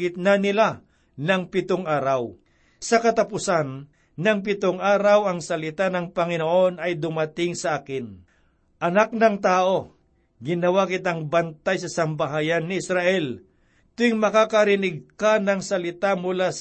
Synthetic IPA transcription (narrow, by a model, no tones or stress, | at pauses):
ɪt̪̚nɐnɪla | nɐŋpɪt̪oŋʔaːɾaw | sɐkɐt̪ɐpʊsanː | ɐŋp̬ɪt̪oŋaːɾɐwɐŋsɐlɪt̪anɐŋpɐŋɪnoʔo̞nɐjd̪ʊmɐt̪ɪŋsɐʔaːkɪn | ʔɐnak̚nɐŋt̪aːʔo̞ | ɡɪnɐwakɪt̪aŋbɐnt̪ajsɐsɐmbaɦaːjɐnːɪɪsɾaʔɛl | t̪ʊɪŋmɐkakɐɾɪnɪɡ̚kanɐŋsɐlɪt̪amʊlas